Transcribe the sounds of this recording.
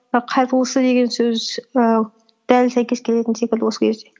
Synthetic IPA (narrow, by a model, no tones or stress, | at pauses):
qʰɑjt̪əlˠəsəd̪e̞ɡʲe̞nsɵzə | d̪̥ælsæjkʲe̞skʲʰele̞t̪ɪnsekʲɪld̪ɪwo̞səkʲʰe̞zd̪e̞